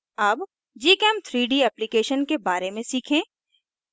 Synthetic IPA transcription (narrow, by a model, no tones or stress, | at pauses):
ɐb | d͡ʒiːkɛːmt̪ʰɾiːɖiɛːplikeːʃənkebaːɾemẽsiːkʰẽ